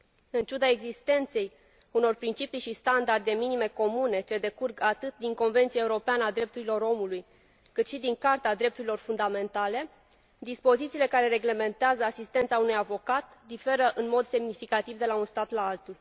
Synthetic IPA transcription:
ɨnt͡ʃud̪ae̞ɡzist̪e̞nt̪se̞j | uno̞rpɾint͡ʃipijʃist̪and̪ard̪e̞minime̞ko̞mune̞t͡ʃe̞d̪e̞kurɡat̪ɨt̪̚d̪iŋko̞nve̞nt̪sijaeuɾo̞peanəad̪ɾe̞p̚t̪uɾilo̞ɾo̞muluj | kɨt̪ʃid̪iŋkart̪ead̪ɾe̞p̚t̪uɾilo̞rfund̪ame̞nt̪ale̞ | d̪ispo̞zit̪siːle̞kaɾe̞ɾe̞ɡle̞me̞nt̪eazəasist̪e̞nt̪saunujavo̞kat̪ | d̪ife̞ɾəʔɨnmo̞d̪se̞mnifikat̪ivd̪e̞launst̪at̪laalt̪ul

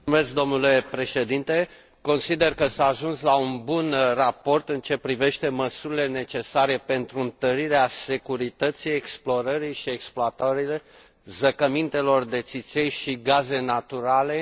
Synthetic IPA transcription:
mesk̚d̪o̞mnule̞pɾe̞ʃe̞d̪int̪e̞ | ko̞nsid̪e̞rkəsaːʒunslaunbunrapo̞rt̪ɨnt͡ʃe̞pɾive̞ʃt̪e̞məsuɾile̞ne̞t͡ʃe̞saɾe̞pe̞nt̪ɾuɨnt̪əɾiɾease̞kuɾit̪ət̪sijeksplo̞ɾəɾiʃie̞ksploat̪aɾile | zəkəmint̪e̞lo̞rd̪e̞t̪sit̪sejʃiɡaze̞nat̪uɾale̞

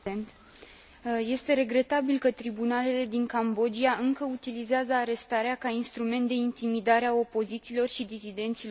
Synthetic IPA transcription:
ent̪ | je̞st̪e̞ɾe̞ɡɾe̞t̪abilkət̪ɾibunale̞le̞d̪iŋkambo̞d͡ʒiaʔɨŋkəut̪ilizeazəaɾe̞st̪aɾeakainst̪ɾume̞nt̪d̪eint̪imid̪aɾeao̞po̞zit̪siːlo̞rʃid̪isid̪e̞nt̪sil

